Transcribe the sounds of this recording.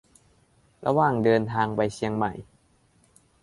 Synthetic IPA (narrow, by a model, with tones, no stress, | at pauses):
ɾʔa̰˧waː˨˩ŋdɤː˧nt̪ʰaː˧ŋpa˧jsʰi˧əŋma̰˨˩j